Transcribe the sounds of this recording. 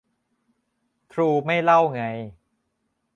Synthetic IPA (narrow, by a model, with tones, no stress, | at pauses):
t̪ʰɾuː˧ma˥˩jla˥˩wŋa˧j